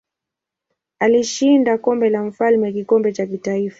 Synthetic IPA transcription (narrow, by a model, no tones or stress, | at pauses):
aliʃindakɔmbɛlam̩falmɛkikɔmbɛt͡ʃakitaifa